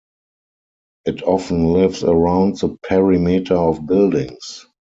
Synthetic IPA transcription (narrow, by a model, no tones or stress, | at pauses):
ʔɪtʰɔfn̩lɪvsəɹãʊ̃ntðəpʰɛɹimitʰaɔfbɪldɪ̃ŋs